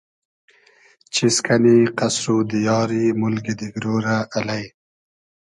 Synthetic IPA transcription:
t͡ʃiskʰaniqasɾud̪ijɑːɾimʊlɡid̪iɡɾoːɾaʔːlaj

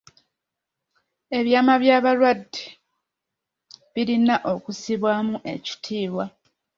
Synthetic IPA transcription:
e̞βjaːmaβjaːβalwadːi̥ | βiɾinaʔo̞kusiβwaːmuʔe̞̰ci̥tʰiːβwa

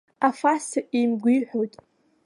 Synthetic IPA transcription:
afasɨʔimɡʷiħʷᶣowjtʼ

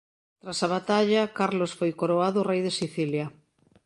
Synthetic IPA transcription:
t̪ɾasaβ̞at̪aʎɐkaɾlosfojkoɾoaðʊrejðesiθiljɐ

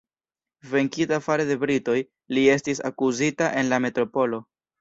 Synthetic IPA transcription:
ve̞ŋkitafaɾe̞de̞bɾito̞j | lie̞stisa̰kuzitaʔe̞nlame̞tɾo̞po̞lo̞

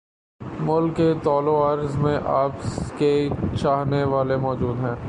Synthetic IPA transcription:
mʊlkːet̪ɔːloaːɾzmẽʔaːpket͡ʃaːɦneʋaːlemɔːd͡ʒuːd̪ɦɛ̃ː

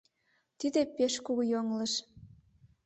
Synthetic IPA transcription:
t̪id̪epeʃkuɣujoŋləʃ

